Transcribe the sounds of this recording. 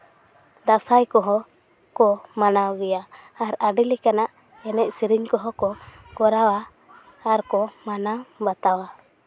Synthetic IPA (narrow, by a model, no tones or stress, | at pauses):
d̪asajkɔɦɔ | kɔmanawɡɛjaːɾaɖilikanaʔ | ɛnɛʔ̚siɾiɲkɔɦɔkɔ | kɔɾawaː | ɾkɔmanabat̪awa